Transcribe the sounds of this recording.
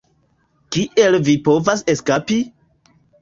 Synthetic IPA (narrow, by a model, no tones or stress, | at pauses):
kiʔe̞lvipo̞vase̞skapi